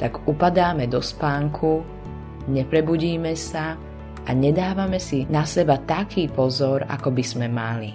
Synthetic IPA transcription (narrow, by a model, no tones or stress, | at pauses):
t̪aɡupad̪aːmɛd̪ɔspaːŋkʰu | ɲɛpɾɛbuɟiːmɛsa | aɲɛd̪aːʋamɛsinasɛbat̪akʰiːpɔzɔɾa̰kɔbiz̥mɛmali